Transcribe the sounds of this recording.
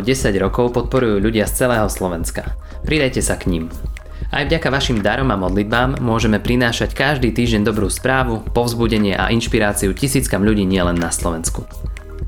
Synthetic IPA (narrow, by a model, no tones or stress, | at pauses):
ɟɛsaɟɾɔkɔʊpɔt̪̚pɔɾujuːʎuɟɪast͡sɛlɛːɦɔslɔʋɛnska | pɾid̪ajcɛsakɲim | ajvɟakaʋaʃimd̪aɾɔmamɔd̪lid̪̚baːmːʊɔʒɛmɛpɾinaːʃackaʒd̪iːt̪iːʒɟɛnd̪ɔbɾuːspɾaːʋupɔʊzbuɟɛɲɪɛʔa̰ʔinʃpiɾaːt͡siucisiːt͡skamʎuɟiːɲɪɛlɛnːaslɔʋɛnsku